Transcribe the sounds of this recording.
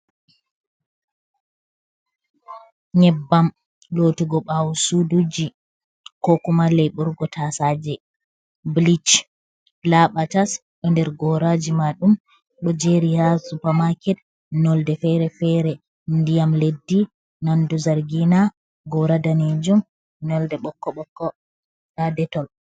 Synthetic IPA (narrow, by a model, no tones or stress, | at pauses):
ɲɛbːam | lotiɡɔɓawusudud͡ʒi | kɔkumalɛjɓuɾɡɔtʰasad͡ʒɛ | blit͡ʃ | laɓatas | ɗɔndɛɾɡɔɾad͡ʒimaɗum | ɗɔd͡ʒeɾihasupamakɛt | nɔldɛfɛɾɛfɛɾɛ | ndijamledːi | nanduzaɾɡina | ɡɔɾadaned͡ʒum | nɔldɛɓɔkːɔɓɔkːɔ | ɗadɛtɔl